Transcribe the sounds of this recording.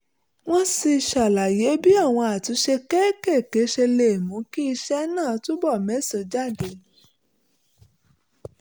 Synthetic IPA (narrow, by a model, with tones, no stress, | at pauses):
w̃ɔ̃˦si˧i˧ʃa˨la˨je˨˦bi˦a˦˨w̃ɔ̃˧a˨tũ˨˦ʃe˧kɛ˦ke˦˨ke˨˦ʃe˧le˨mũ˨˦ki˦i˧ʃɛ˦nãː˦˨˧tu˦bɔ˦˨mɛ̃˨˦so˧˦d͡ʒa˦˨de˨˦